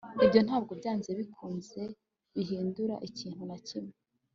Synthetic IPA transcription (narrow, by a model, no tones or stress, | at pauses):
ibjo̞n̥haːb̚ɡo̞bɟaːnzeβikʰuːnze̞ | βiɦiːnduɾa̰ʔiciːn̥hunacime